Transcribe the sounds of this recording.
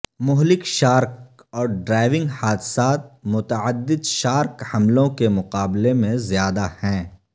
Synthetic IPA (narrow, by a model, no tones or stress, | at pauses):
mʊɦlɪkʃaːɾk | ɔːɾɖɾaːɪʋɪ̃ŋɡhaːd̪saːt̪̚mʊt̪əəd̪ːɪd̪ʃaːɾkhɐmlõkemʊqaːblemẽzjaːd̪ahɛ̃ː